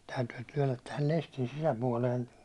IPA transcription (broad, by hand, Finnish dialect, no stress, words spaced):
tæytyː tyønːæt tæhæl lestin sisæpuɒlen